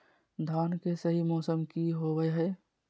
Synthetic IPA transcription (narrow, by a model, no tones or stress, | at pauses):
d̪ʱankesəɦimɔːsəmkiɦobəɦəɪ